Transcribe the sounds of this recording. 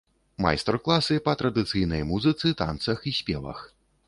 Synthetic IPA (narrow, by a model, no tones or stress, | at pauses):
ma̰jst̪ɛrklˠasɨpɐt̪ɾɐd̪ɨt̪sɨjnɐjmuzɨt̪sɨt̪a̰nt̪sɐxisʲpʲɛvɐ̰x